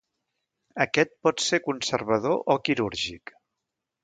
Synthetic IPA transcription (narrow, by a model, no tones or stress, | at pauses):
əkɛt̪̚pɔt̪seɾkunsəɾβ̞əð̞oʔɔkiɾuɾʒik